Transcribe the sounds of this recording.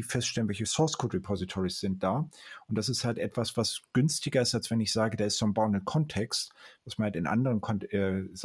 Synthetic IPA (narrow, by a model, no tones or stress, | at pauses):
fɛstʃtɛlənvɛlçəsɔɐskʰotʁepʰɔzitʰɔʁisz̥ɪnt̚d̥aːʊnt̚d̥as̬ɪsthaltʔɛtv̥asv̥asɡ̥ʏnstɪɡɐɪstalsv̥ɛnɪçz̥aːɡədaːɐɪstombaʊndənkʰɔntʰɛkstvasmanhaltɪnʔa̰ndəʁənkʰɔnɛz